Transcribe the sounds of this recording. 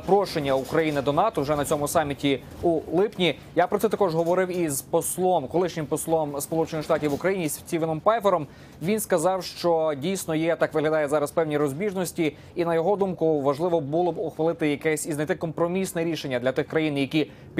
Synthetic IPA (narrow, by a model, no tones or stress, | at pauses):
pɾɔʃenʲːɐukɾɐjinɪd̪ɔnɑt̪ɔwʒɛnɐt͡sʲɔmʊsɑmʲitʲi | ulˠɪpnʲi | japɾɔt̪sɛt̪ɐkɔʒɦɔʋɔɾɪwizpɔslˠɔmkɔlˠɪʃnʲɪmpɔslˠɔmspɔlˠut͡ʃenɪxʃt̪ɑtʲiʋʊkɾɐjinʲisʲt͡sʲiʋɪnɔmpɑjfɛɾɔm | ʋʲinskɐzɑwʃt͡ʃɔdʲijsʲnɔjɛt̪ɑkʋɪɦlʲɐd̪ɑjɛzɑɾɐspɛwnʲiɾɔzʲbʲiʒnɔsʲtʲi | inɐjɔɦɔd̪umkʊʋɐʒlˠɪʋɔbulˠɔbʊxʋɐlˠɪt̪ɪjɐkɛsʲiznɐjt̪ɪkɔmpɾɔmʲisnɛɾʲiʃe̞nʲːɐd̪lʲɐt̪ɪxkɾɐjinjɐkʲi | pʲ